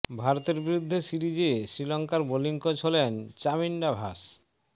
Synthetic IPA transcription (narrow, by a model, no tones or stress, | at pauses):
bʱaɾot̪eɾbiɾud̪ʱːesiɾid͡ʑesɾilɔŋkaɾboliŋkot͡ɕʰolent͡ɕamiɳɖabʱaʃ